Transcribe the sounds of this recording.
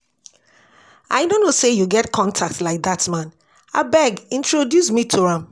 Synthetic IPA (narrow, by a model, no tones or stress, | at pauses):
a̰ɪdõnosejuɡɛtkʰɔ̃ntʰak̚tlaɪk̚datmãn | a̰bɛɡĩntʰɹodjusmitʰuhãm